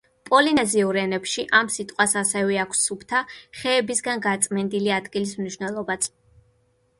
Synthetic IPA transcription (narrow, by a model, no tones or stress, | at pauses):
pʼɔlinɛziuɾɛnɛpʃiʔamsit̪ʼqʼwasasɛvɛakʰsːupʰt̪ʰaχɛːbisɡanɡat̪sʼmɛnd̪iliad̪ɡilismniʃwnɛlˠɔbat̪sʰ